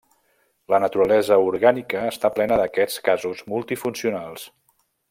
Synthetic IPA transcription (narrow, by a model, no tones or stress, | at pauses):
lənət̪uɾəlɛzəuɾɣanikəːst̪aplɛnəðəkɛt͡skazuzmulˠt̪ifunsiunalˠs